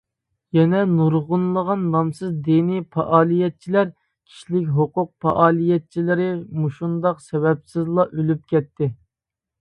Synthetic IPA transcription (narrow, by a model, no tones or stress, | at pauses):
jɛnɛnuɾʁʊnlˠəʁɑnːɑmsɨzd̪inipʰɑ̰ʔɑːlˠijɛt̪̚t͡ʃʰilæɾ | kʲʰi̥ʃlɪk̬ʲɦoqʊq̚pɑ̰ʔɑːlˠijɛt̪̚t͡ʃʰilɪɾɪmuʃund̪ɑqsɛwɛpsɪzlˠɑʔølyp̚kʲɛt̪ʰːɪ